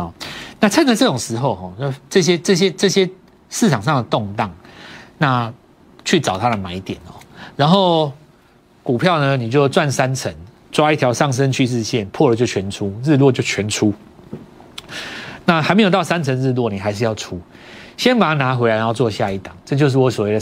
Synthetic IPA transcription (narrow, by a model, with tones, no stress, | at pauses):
ɔ˨˩na˥˧ʈ͡ʂʰə˥nlə˨ʈ͡ʂɤ˥˩ʈ͡ʂo˨˩ŋʂɻ̩˧˥xo˥˧ʊɦɔ˨˩˥ʈ͡ʂɤ˥˧ɕ̬jɛ˦˥ʈ͡ʂɤ˥˩ɕ̬jɛ˥ʈ͡ʂɤ˥˩ɕjɛ˦ | ʂɻ̩ʰ˥˩a˨˩ŋʂ̬ɑ˥˩ŋd̪ə˩t̪o˥˨˧ŋt̪ɑ˥˩ŋna˥˧ | t͡ɕʰy˥˩ʈ͡ʂɑ˨˩ʊt̪ʰa˦d̪ə˨ma˨˩˦ɪi˧˩t̪jɛ̰˨˩˦nɔ˨˩ɻa˧˦nxo˥˩ʊ | ku˨˩pʰjɑ˥˩ʊnə˨ni˨˩t͡ɕjo˥˧ʊt͡swa˥˩nsa˦nt͡sʰə˧˦n | t͡swa˦i˥˩t̪ʰjɑ˧˥ʊʂɑ˥˩ŋʂ̬ə˦nt͡ɕʰy˥˧ɻɻ̩˥˧ɕjɛ˥˨npʰwɔ˥˧˨ə˨˩t͡ɕjo˥˩ʊt͡ɕʰɥɛ˧˦nʈ͡ʂʰu˦ɻ̩˥˧lwɔ˥˧t͡ɕjo˥˩ʊt͡ɕʰɥɛ˧˥nʈ͡ʂʰu˦˥ | na˥˩ɦa˧ɪme˧˥jt̪ɑ˥˩ʊsa˦nt͡sʰə˧˥nɻ̩˥˧lwɔ˥˩ni˨˩ɦa˧˥ɪʂ̬̩˥˧jɑ˥˩ʊʈ͡ʂʰu˦ | ɕjɛ˦npa˨˩a˥˩na˧˦˥xwe˧˥la˧ɪna˧˦˥t͡swɔ˥˧˩ɕja˥˧i˥˩t̪ɑ˨˩˦ŋʈ͡ʂɤ˥˧t͡ɕjo˥˧ʊʂ̬ɻ̩˥˩wɔ˧˩swɔ˨˩we˥˩d̪